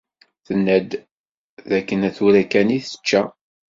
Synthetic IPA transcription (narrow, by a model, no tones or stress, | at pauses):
θənːæd̪ | ðækːənæθuɾækæniθə̥t͡ʃːæ